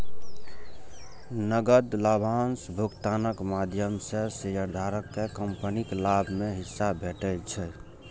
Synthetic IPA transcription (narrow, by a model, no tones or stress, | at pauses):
nəɡəd̪labʱansbʱukt̪anəkmad̪ʱjəmsesəjəɾd̪ʱaɾəkːekəmpəniklabʱmeɦisːabʱeʈɛlt͡ʃʰɛ